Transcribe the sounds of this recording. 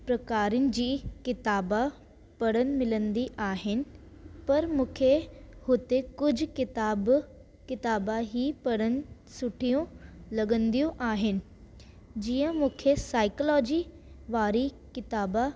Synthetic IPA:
pɾɐkaːɾənɪ̆d͡ʑiːkɪt̪aːba | pɐɽənɪ̆mɪlə̃nd̪iʔaːɦɪnɪ̆ | pɐɾmũːkʰehʊt̪ekʊd͡ʑʱʊ̆kɪt̪aːb | kɪt̪aːbaɦipɐɽənɪ̆ | sʊʈʰijũlɐɠə̃nd̪ijuʔaːɦɪnɪ̆ | d͡ʑiːə̃mũːkʰesaːɪklɔːd͡ʑi | ʋaːɾi | kɪt̪aːba

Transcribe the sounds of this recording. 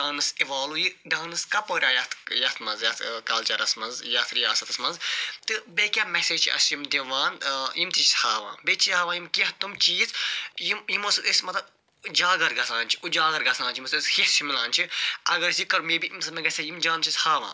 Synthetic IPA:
ɖaːnɐsiʋaːlujiɖaːnɐskɐpoːɾʲãːjɐt̪ʰjɐt̪ʰmɐnzjɐt̪ʰkɐlt͡ʃɐɾɐsmɐnzjɐt̪ɾijaːsɐt̪ɐsmɐnzt̪ɨbekʲaːmɛseːd͡ʒt͡ʃʰiʔɐ̰simd̪iʋãːnjimt̪it͡ʃi̥shaːʋã̰ːbet͡ʃʰihaːʋãːjimkiɦt̪umt͡ʃiːzjijimosɨd̪esmɐt̪ɐb | d͡ʒaːɡɐɾɡɐsʰaːnt͡ʃʰi̥ud͡ʒaːɡɐɾɡɐsãːnt͡ʃʰimuseshest͡ʃʰimilãːnt͡ʃʰiʔɐɡɐɾsikɐɾmibiʔimsɨmɐɡɐsʲɐjimd͡ʒaːnt͡ʃʰishaːʋã̰ː

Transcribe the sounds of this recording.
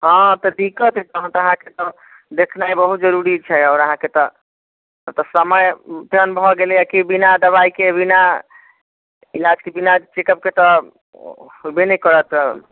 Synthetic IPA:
ɦɔ̃t̪ɔd̪ikət̪kɔɦə̃t̪əɦãket̪ɔ | d̪ekʰnajbəɦut̪d͡ʒəɾuɾit͡ʃʰɛɔʊɾəɦãket̪ɔ | t̪ɔsəməjt̪ənbʱɦɔɡelɛjakibinad̪əβaikebina | ilad͡ʒkebinad͡ʒt͡ʃekəp̚ket̪ɔ | hobenɛkəɾət̪

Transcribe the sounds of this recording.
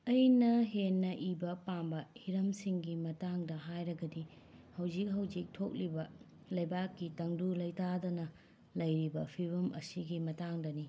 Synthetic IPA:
ɐjnɐɦenːɐʔibɐpambɐhiɾɐmsiŋɡimɐtaŋdɐɦajɾɐɡɐdi | hɐwd͡ʒik̚ɦɐwd͡ʒik̚tʰok̚libɐ | lɐjbakːitɐŋdulɐjtadɐnɐ | lɐjɾibɐpʰiβɐmʔɐ̰siɡimɐtaŋdɐni

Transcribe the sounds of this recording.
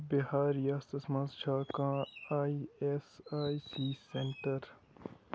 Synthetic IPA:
bihaːɾjaːst̪ɐsmɐ̃nzt͡ʃʰaːkãːaːiesaːisiseɳʈəɾ

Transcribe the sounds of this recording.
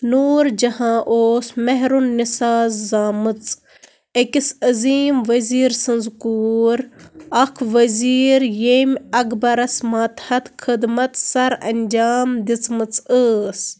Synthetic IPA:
nuːɾd͡ʒɐhãːʔoːsmeɦɾunːisaːzːaːmɨt͡s | ekisɐziːmʋɐziːɾsɨnzkuːɾɐkʰʋɐziːɾjemʲɐɡbɐɾɐsmaːt̪hɐt̪kʰɨd̪mɐt̪sɐɾɐ̰nʲd͡ʒaːmd̪it͡smɨt͡səːs

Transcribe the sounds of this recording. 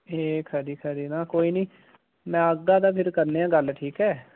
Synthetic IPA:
eːkʰəɾiːkʰəɾiːnãːkoːiːnĩː | mɛ̃ːəɡːãːd̪aːpʰɪɾkəɾneːãːɡəlʈʰiːkɛː

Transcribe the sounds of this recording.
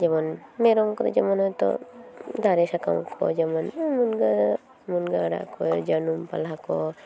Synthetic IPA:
d͡ʒemɔnmeɾɔŋkɔt̪ɔd͡ʒɛmɔnɦɔjt̪ɔ̰d̪ʱaɾesaka̰wkʰɔ̰d͡ʒemɔnmunɡa | munɡaɽa̰kɔjɔd͡ʒənumpa̰lakɔ

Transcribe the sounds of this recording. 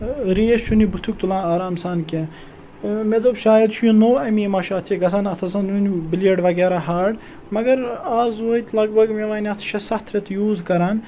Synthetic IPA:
ɾiːest͡ʃʰunibut̪ʰukt̪ulãːnaːɾaːmsaːnke | med̪obʃaːjɐd̪ʃʰujinoːɐmiːmɐʃaːt̪ʰiɡɐsɐnɐt̪ʰɐsɐnunbiljeɖʋɐɡɛːɾaːɦaːɖ | mɐɡɐɾaːzoːit̪ʰlɐɡbɐɡmeʋaːnʲɐt̪ʰʃʰɐsɐht̪ʰɾet̪juːzkɐɾaːn

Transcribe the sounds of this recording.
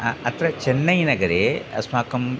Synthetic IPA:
ɐt̪ɾɐt͡ʃɛnːɐjnɐɡɐɾeːɐ̰smaːkɐm

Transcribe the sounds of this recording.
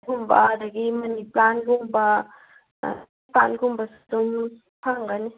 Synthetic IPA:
ɡumba̰daɡimɐniplanɡumba̰ | panɡumbɐsdum | pʰaŋɡani

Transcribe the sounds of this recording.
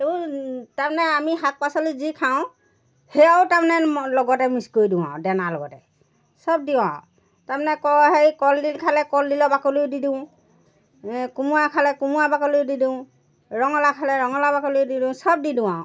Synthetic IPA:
ebutapnɛamiɦak̚pasɔlizikʰaʊ̃ | hejaʊtapnɛlɔɡɔtɛmiskojdʊw̃ã̰dɛnalɔ̰ɡɔtɛ | sɔb̚diwã̰ʊ̃ | tamanɛkɔɦekɔldilkʰalɛkɔldilɔbakoliʊdidiʊ̃ | kumuakʰalɛkumuabakoliʊdidiʊ̃ | ɹɔŋɔlakʰalɛɹɔŋɔlabakoliʊdidʊ̃ʊ̃sɔb̚didʊw̃ãʊ̃

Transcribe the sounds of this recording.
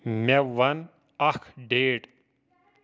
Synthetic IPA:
meʋɐn | ɐkʰɖeːʈ

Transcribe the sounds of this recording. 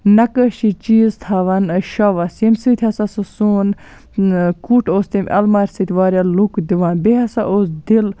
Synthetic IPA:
nɐkəʃit͡ʃiːzt̪ʰaːʋɐnʃɐʋɐsimsit̪ʰʲhɐsɐsɨsuːn | kuːʈʰoːst̪imʲʔɐ̰lmaːɾʲsit̪ʰʲʋaːɾʲjalukd̪iʋaːnbiɦɐsɐʔoːsd̪il

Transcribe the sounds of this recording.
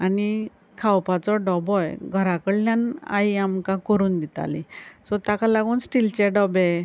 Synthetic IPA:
ani | kʰawpat͡sɔɖɔbɔjɡʱəɾakəɽljana̰iamkãkɔɾuːnd̪it̪a̰lisɔt̪akalaɡuːnsʈilt͡ɕeɖɔbe

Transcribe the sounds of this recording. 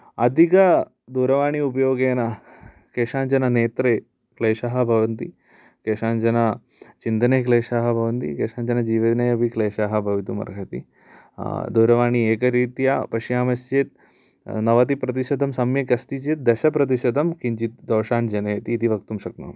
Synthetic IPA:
ɐd̪ʱikɐ | d̪uːɾɐʋaːɳiup̬ɐjoːɡeːnɐ | keːʂaːɲt͡ʃɐnɐneːt̪ɾeː | kleːʃaːɦɐ̆bʱɐʋɐnt̪i | keːʂaːɲt͡ʃɐnɐ | t͡ʃind̪ɐneːkleːʃaːɦɐbʱɐʋɐnt̪ḭkeːʂaːɲt͡ʃɐnɐd͡ʒiːʋɐd̪ɐnɐjɐbʱikleːʃaːɦɐ̆bʱɐʋit̪umɐ̰ɾɡʱɐt̪ḭ | d̪uːɾɐʋaːɳieːkɐɾiːt̪ija̰pɐʃjaːmɐst͡ʃeːt̪̚ | nɐʋɐt̪̬ipɾɐt̪̬iʃɐd̪ɐmsɐmjɐkɐst̪it͡ʃeːt̪̚d̪ɐʃɐpɾɐt̪̬iʃɐd̪ɐmkiɲt͡ʃit̪̚d̪ɐwʃaːnd͡ʒɐneːt̪iːt̪iʋɐkt̪umʃɐk̚nɐ̰m

